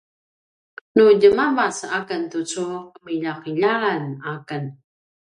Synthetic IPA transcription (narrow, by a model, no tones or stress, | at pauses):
nuɟəmamasakəntut͡suqəmiʎaqiʎalanakən